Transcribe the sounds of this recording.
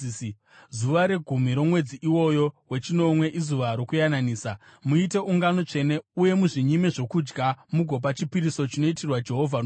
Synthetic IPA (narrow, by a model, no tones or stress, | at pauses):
zuʋaɾe̞ɡʱumiɾo̞mwe̞d͡ziʔiwo̞jo̞we̞t͡ʃino̞mwe̞ʔizuʋaɾo̞kujananiːsamuite̞ʔuŋɡano̞t͡ʂe̞ne̞uje̞muʐiɲimeʐo̞kud͡ʒɡamuɡʱo̞p̬at͡ʃipiɾiso̞t͡ʃino̞itirwad͡ʒe̞ɦo̞vʱan